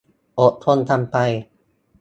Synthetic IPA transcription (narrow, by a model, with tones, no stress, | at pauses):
ʔo˨˩t̪ʰːo˧˥˨nt̪ʰa˧mpa˧j